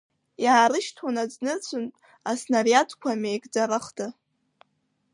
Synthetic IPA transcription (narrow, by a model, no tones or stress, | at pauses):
jaʕaɾɨʃtʰanad͡znɨrt͡sʷʰʊn | asnarjatʰʼkʷʰamejkd͡zaɾaχdɨ